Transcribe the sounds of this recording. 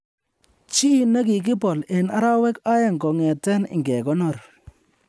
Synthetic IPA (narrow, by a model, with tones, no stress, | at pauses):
t͡ʃi˦˨na˦ki˨k̬ɪ˦pɔ˨le˨na˦ɾa˦wɛ˦ka˦ja˨ŋɡɔ˨ŋɛ˨tɛ˦nɪ̰˨ŋɡɛ˨kɔ˦nɔ˦˨ɾ